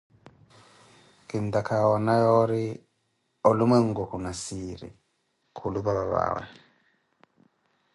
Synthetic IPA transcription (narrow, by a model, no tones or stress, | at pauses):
kindakʰawanajɔɾi | ɔluməŋɡɔkunasiɾḭ | kʰulubaβaβa̰wɛ̰